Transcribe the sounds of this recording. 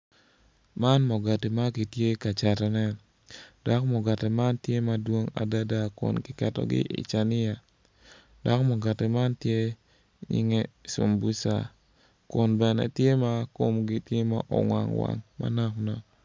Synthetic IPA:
ma˦nmɔ˨ɡa˨ti˨ma˦ki˨tje˦ka˨t͡ʃa˨ɾɛ˨nɛ˦ | d̥a˦kmɔ˨ɡa˨tɛ˨ma˦ntje˦ma˦dwo˦ŋa̰˨da˦da˦kʊ̰˨nkɪ˨kɛ˨tɔ̰˦ɡɪ̰˦ʔɪ̰˨t͡ʃa˨nɪ˦ja˨ | d̥ɔ˦kmɔ˨ɡa˨ti˨ma˦ntje˦ | ɲɪ̰˦ŋɛ˦so̰˨mbu˦sa̰˨ | kʊ˦nbɛ˨nɛ̰˨tje˦ma˦ko˦mɡɪ˦tje˦ma˨ʔɔ̰˨ŋwa̰˨ŋwa̰˨ŋma̰˦na˦knɔ˨

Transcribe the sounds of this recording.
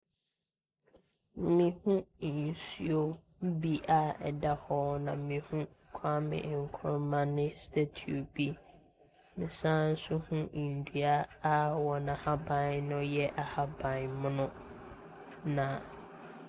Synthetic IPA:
mĩ˨hũ˦˨n˨sui˦o˦ | bi˦ʔa˦ɛ̰˨da˦hɔ˦nã̰˨mĩ˨hũ˦˨kʷʰa˦mɪ̰̃˨ŋ̩˨kʰɔ˦mã˦nɪ̃˦stʰa˦tʰi˨o˨bi˦ | mɪ̃˨sãː˦n̩˦sʊ˦hʊ̃˦˨n̩˨du˨a˦a˦wɔ˨nã˨ha˦bã˨nnʊ̃˦jɛ˦ʔa˨ha˦bã˨n˨mʊ̃˦nʊ̃˦ | nã˨

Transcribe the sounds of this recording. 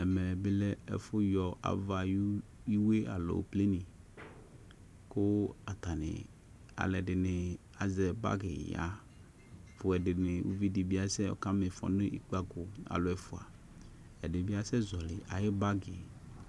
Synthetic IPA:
ɛ˨mɛ˨be˦lɛ˦ɛ̰˨fʊ˦jɔ˨a̰˨va˨ju˦ | i˦we˦a̰˨lo̰˨ple˦ni˨ | ko˦a˨t̪a˨nḛ̃˨ | a̰˨lɛ˨ɖɪ˨ne˨ | a˨zɛ˨ba̰˦ɡḛ˨ja̰˨˦ | fʊ˨ɛ˨ɖɪ˨ne˨wṵ˦vi˦di˨bi˦a˦sɛ˦ɔ̰˨ka˦me˨fɔ̰˨ne˦ʔi˨k͡pa˦ko˨a̰˨lo˨ɛ˨fo˨a̰˨ | ɛ˨de˨bi˦a˦sɛ˦zɔ˨lɪ˨ʔa˨je˦ba˦ɡe˨

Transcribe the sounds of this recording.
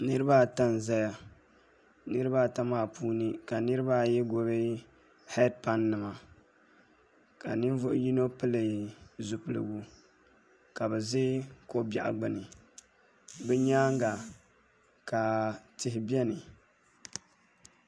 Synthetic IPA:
nɨ˦ɾɨ˦ba˦˨ta˦n˨za˦ja˨ | nɨ˦ɾɨ˦ba˦ta˦maː˦˨pʰuː˦nɨ˦ka˨nɨ˦ɾɨ˦ba˦jɛ˦ɡo˦βe˦ | hɛ˦d̚pa˦nːɨ˨ma˨ | ka̰˨nɨ˦n˦vʊ˦ʔji˦no˦pɨ˦lɨ˨zu˨pɨ˨lɨ̰˨ɡu˦ | ka˨bɛ˨zɪ˦ko˦bja̰˨ʔa̰˨ɡ͡bɨ˦nɨ˨ | bɛ˦ɲaː˦ŋ˦ɡa˨ | ka˨tɪ˨hɪ˨bi˦ɛ˦nɨ˨

